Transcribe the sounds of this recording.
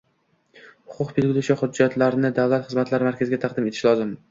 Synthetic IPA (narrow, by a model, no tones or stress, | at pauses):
hʊ̥qʰʊqbelɡʲɪlʊʃaχʊd͡ʒːat̪ʰlaɾnɪd̪avlˠat̪χɨzmat̪laɾɪmaɾkʲʰazɪɡʲat̪ʰaɑqd̪ɪmet̪ʰɪ̥ʃlˠɒzɪm